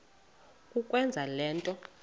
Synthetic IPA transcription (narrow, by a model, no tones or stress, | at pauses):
kʼukʼwɛnd͡zʱalɛːntʼɔ